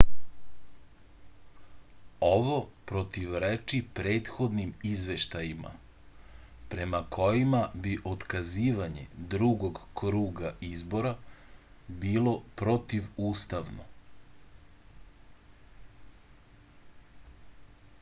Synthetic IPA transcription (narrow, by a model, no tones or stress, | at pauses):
o̞ʋo̞pɾo̞t̪iʋɾet͡ʃipɾe̞ːt̪xo̞d̪nimizʋe̞ʃt̪ajima̰ | pɾe̞makʰo̞jimabiʔo̞t̪kaziːʋaɲḛd̪ɾuɡoɡkɾuːɡaizbo̞ɾa | biːlo̞pɾot̪iʋuːst̪aʋno̰